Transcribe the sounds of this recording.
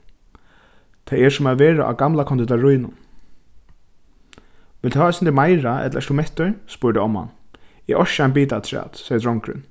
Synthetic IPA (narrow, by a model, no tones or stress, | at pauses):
t̪ʰajɛsʊmaðʋeːɹa̰ʔa̰ɡamlakʰɔnt̪ɪt̪aɹʊjnʊn | ʋɪlt̪ʰhaːasɪnt̪ʰɛmajɾaʔɛ̰t̪laɛst̪ʊmɛht̪ʊɹspʊɹd̪ɪɔma̰njɛʔɔʃaanbiːt̪at̪ʰɾɛ̰ːt̪sɛjəd̪ɾɔŋkɾɪ̰n